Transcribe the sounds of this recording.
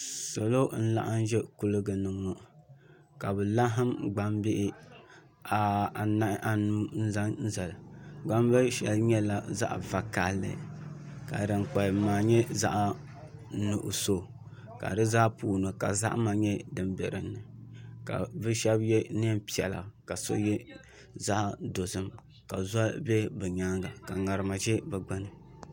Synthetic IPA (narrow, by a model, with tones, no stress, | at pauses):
so˨lo˦n̩˦la̰˦ʔa˦n˦ʒɛ˦ku˦lɨ˦ɡɨ˨nɨ˨ŋɔ˨ʔ | ka˨bɛ˨la˦ɦɨ˦mɡ͡ba˦mbɪ˦ʔɪ˦ | a˨a˨na˦ʔʔa˨nuː˦n̩˦za˦nn̩˦za˨lɨ˨ɡ͡ba˦mbɛ˦ʃɛ˨lɲɛ˦la˨za̰˦ʔva˨ka˨lːɨ̰˨ka̰˨dɨ˨ŋ͡mk͡pa˨maː˨ɲɛ˦za̰˦ʔ | nu˨ʔʊ˨so˦˨ | ka̰˨dɨ˦zaː˦puː˦nɨ˨ka̰˨za̰˦ʔma˨ɲɛ˦dɨ˨mbɛ˨ɾɨ˨nːɨ˨ka̰˨bɨ˦ʃɛ˦bjɛ˦n˦ɛ˦pi˨ɛ˨la̰˨ka˨so̰˦jɛ˦ | za˦ʔdo˨sɨ˦m | ka˨za˦bɛ˦bɨ˨ɲa˦ŋɡa˨ka˨ŋa˨ɾɨ˨ma˨ʒɛ˦bɛ˨ɡ͡ba˦nɨ˨